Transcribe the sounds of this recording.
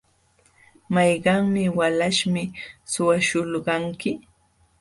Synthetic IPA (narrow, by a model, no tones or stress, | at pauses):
mɑjɢɑŋmɪwalaʃmɪsʊwaʃʊlɢɑŋkɪ